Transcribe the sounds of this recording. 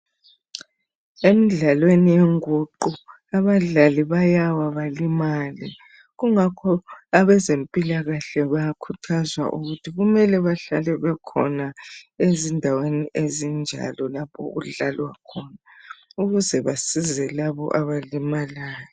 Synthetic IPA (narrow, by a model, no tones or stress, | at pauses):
emiɮalwenijeŋuǃu | aβaɮaliβajawaβalimalḭ | ɣuŋakʰɔaβɛzempʼilaɣaɬɛβakʰutʰazwa̰ʔṵɣutʰiɣumɛlɛβaɬalɛβɛkʰɔ̰naezindʱaweniʔezind͡ʒʱa̰lɔlapʰɔ̰ɣuɮalwa̰kʰɔnauɣuzɛβasizɛlaβɔ̰ʔaβalimalaːjɔ